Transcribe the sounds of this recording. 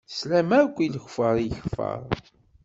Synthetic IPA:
slæmæɾkʷːiləçfəɾˤjəçfə̰ɾˤ

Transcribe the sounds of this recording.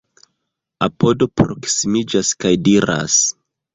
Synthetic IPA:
apo̞do̞pɾo̞ksimid͡ʒaskajdiɾa̰s

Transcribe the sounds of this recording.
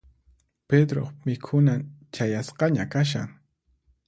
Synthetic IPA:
ped̪ɾo̰χmɪkʰʊnat͡ʃajasqɑɲakaʃ̬a̰ŋ

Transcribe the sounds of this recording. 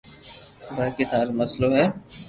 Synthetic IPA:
ʋəkɪt̪aːɾmɐsloɦɛː

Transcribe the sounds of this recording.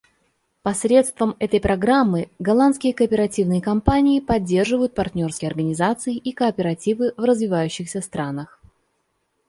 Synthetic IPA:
pɐsɾʲe̞t̪st̪vəmɛt̪əjpɾɐɡɾamːɨɡɐlˠanskʲɪjəkəːpʲɪɾɐtʲivnɨjəkɐmpanʲɪːpɐdʲːe̞rʐɨvəjʊt̪̚pɐrt̪ʲnʲo̞rskʲɪjɐrɡənʲɪzat̪sɨɪʔikəːpʲɪɾɐtʲivɨvrəzvʲɪvajʉɕːɪxsʲəst̪ɾʔanəx

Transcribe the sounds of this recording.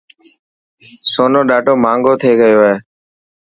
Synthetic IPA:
soːnoːɗaːʈoːmãːŋɡoːt̪ʰeːɠəjoːɦeː

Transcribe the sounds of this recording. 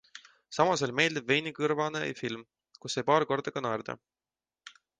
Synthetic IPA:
sɑmɑselme̞ːld̪̥ibve̞jnikɯɾvɑnḛjfilm | kusːejpɑːɾko̞rd̪̥ɑɡ̥ɑnɑɾd̪̥ɑ̰

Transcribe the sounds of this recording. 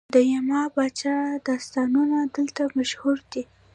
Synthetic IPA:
d̪əjamɑbɑt͡ʃad̪ɑst̪ɑnunad̪əlt̪amaʃhuɾd̪i

